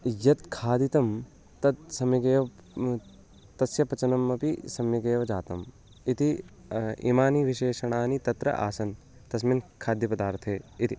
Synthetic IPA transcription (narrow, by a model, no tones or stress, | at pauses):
jɐt̪kʰaːd̪it̪ɐm | t̪ɐd̪sɐmiɡeːʋɐ | t̪ɐsjɐpɐt͡ʃɐnɐmːɐpisɐmjiɡeːʋɐd͡ʒaːt̪ɐm | it̪i | ḭːmaːniʋiʃeːʃɐɳ̃aːnit̪ɐt̪ɾɐ̰ʔa̰ːsɐn | t̪ɐsminkʰaːd̪jɐpɐd̪aːɾt̪ʰeːit̪i